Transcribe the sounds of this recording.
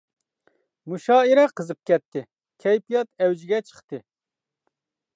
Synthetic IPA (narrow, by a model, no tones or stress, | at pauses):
muʃɑːiɾɛqɨzɨp̚kʲʰɛt̪ːi | kʲʰɛjpijɑt̪ɛwd͡ʒiɡʲɛt͡ʃʰɨ̥χt̪ɨ